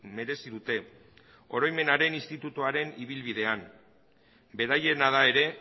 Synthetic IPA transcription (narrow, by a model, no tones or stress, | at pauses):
me̞ɾe̞siðut̪e̞ | o̞ɾo̞jme̞naɾe̞nist̪it̪ut̪uaɾe̞niβilβið̞e̞am | be̞ɾaje̞nað̞ae̞ɾe̞